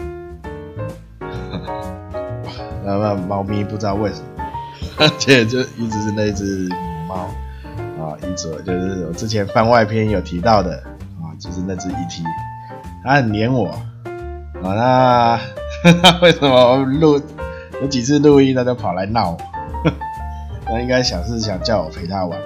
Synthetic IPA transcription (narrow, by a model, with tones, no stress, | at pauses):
a˨˩na˥˩ma˨ma˧˥ʊmi˧˦pu˥˩ʈ͡ʂ̩̪˥ɑ˥˧we˥˩ɪʂə˨˩mə˨t͡ɕʰɛ˥˨t͡ɕjo˥˧ʊi˥t͡sɻ̩˧˨ʂɻ̩˥˧na˥˧i˥˧t͡s̩ʰ˥˧˩i˨˩mɑ˧˦ʊ | ɔ̰˨i˧˩t͡s̩˨˩˨t͡ɕjo˥˧ʊʂ̩˥˩wɔ˨˩t͡sʈ͡ʂɻ̩˧˥t͡ɕʰjɛ˧˦nfa˥˧nwa˥˧ɪpʰjɛ˥njo˨˩ʊt̪ʰi˧˦˥t̪ɑ˥˩ʊd̪ə˩ | a˨˩t͡ɕjo˥˧ʊʂ̬ɻ̩˥˧na˥˧t͡s̩ʰ˥˧i˥˩t̪ʰi˧˥ | nʰa˦˥hə˨˩nljɛ˧˦˥nwɔ˨˩ | a˨˩na˥˧ | na˥˧we˥˩ɪʂə˨˦nmə˨ɔ˨lu˥˧ | jo˧˦ʊt͡ɕi˨˩t͡s̩ʰ˥˧lu˥˧i˥˧t̪ʰa˥t͡ɕo˥ʊpʰa˨˩la˧˦ɪnɑ˥˩ʊwɔ˨˩˦ | nʰa˥˧i˥˧ŋka˥ɪɕjɑ˨˩ŋʂ̬ɻ̩˥˩ɕ̬jɑ˨˩ŋt͡ɕjɑ˥˩ʊwɔ̰˨˩pʰe˧˥ɪt̪ʰa˥wa̰˨˦n